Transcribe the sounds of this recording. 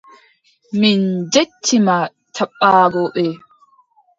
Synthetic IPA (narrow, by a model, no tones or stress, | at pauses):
mind͡ʒet͡ʃʰːima | tʰaɓːaːɡɔɓɛ